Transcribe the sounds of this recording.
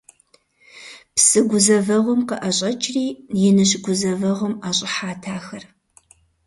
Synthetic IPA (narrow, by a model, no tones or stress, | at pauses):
psɨɡʷʊzɐvɐʁʷɔmqəʔɐɕʼɐt͡ʃʰʼriːjɛnɨɕ̬ɡʷʊzɐvɐʁʷɔmaːɕʼɪħaːtʰaːxɐr